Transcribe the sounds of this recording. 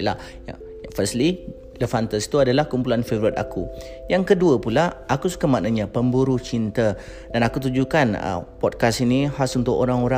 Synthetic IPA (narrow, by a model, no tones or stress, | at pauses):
la | a̰ | fəsli | ləfant̪əst̪uadalahkumpulanfevɾit̪a̰kujaŋkəduəpulaʔakusu̥kamanaɲãpəmbuɾuht͡ʃint̪ə | danakut̪̬ud͡ʒukanə̰pɔt̚kasinihasunt̪ʊko̰ɾaŋoɾa